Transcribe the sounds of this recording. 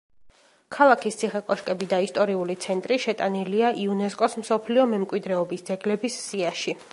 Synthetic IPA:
kʰalˠakʰist̪sʰiχɛkʼɔʃkʼɛbid̪aist̪ʼɔɾiulit̪sʰɛnt̪ʼɾiʃɛt̪ʼaniliaʔiunɛskʼɔsm̩sɔpʰliɔmɛmkʼwid̪ɾɛɔbisd̪zɛɡlɛbisːiaʃi

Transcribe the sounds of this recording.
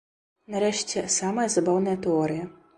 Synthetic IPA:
nɐɾɛʂt͡sʲɛsamɐjɐzɐbawnɐjɐt̪ɛɔɾɨjɐ

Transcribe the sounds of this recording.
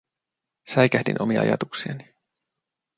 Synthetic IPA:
sæjkæhdḭnʔomiɑ̰ɑ̰jɑt̪uksiɑni

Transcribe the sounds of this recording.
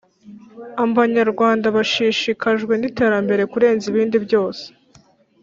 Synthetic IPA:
aβaɲaɾɡwaːndaβaʃiːʃikaʒɡwe̞nite̞ːɾambe̞ɾe̞kuɾe̞ːnziβiːndibjo̞ːse̥

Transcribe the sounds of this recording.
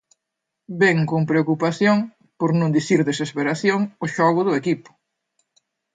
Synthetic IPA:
beŋkompɾeokupaθjoŋ | poɾnõnd̪iθiɾðesespeɾaθjoŋʊʃɔɣʊðʊekipʊ̥

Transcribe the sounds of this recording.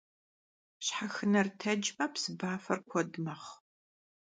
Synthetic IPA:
ɕħaxɨnɐrtʰɐd͡ʒmɐpsɨbaːfɐrkʷʰɔdmɐχ

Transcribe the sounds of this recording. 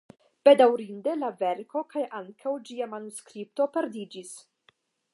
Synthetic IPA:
b̥e̞dawɾinde̞lave̞ɾko̞kajʔaŋkʰawd͡ʒiamanuskɾip̚to̞pe̞ɾd̪id͡ʒis

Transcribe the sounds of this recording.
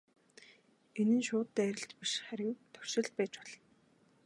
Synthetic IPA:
enɘ̆nʃʊːt̪ːæːæɾʲɪ̆ɬt͡ɕ̪piʃχæɾʲɪ̆ŋt̪ʰɵ̥w̥ʃɪ̆ɮt̪̚pæːt͡ɕpɔ̥ɮɞ̆n

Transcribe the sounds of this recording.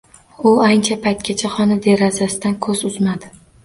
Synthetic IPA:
ʊant͡ʃʰapʰajt̪̚kʲat͡ʃʰaχɒnad̪e̞ɾɒzasɪd̪ankʰɵzʊzmad̪ɪ

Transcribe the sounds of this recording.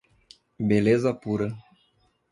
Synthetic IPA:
belezapuɾə

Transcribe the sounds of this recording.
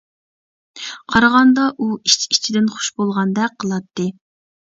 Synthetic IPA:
qʰɑɾʁɑnd̪ɑʔuit͡ʃʰit͡ʃʰid̪ɪnχʊ̥ʃbolˠʁɑnd̪ɛqʰːəlˠɑt̪ːɨ

